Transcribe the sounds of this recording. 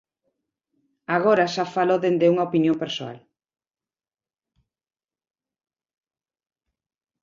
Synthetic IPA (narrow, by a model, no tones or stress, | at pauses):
aɣ̞oɾaʃafaloðend̪euŋaopinjompeɾsoa̰l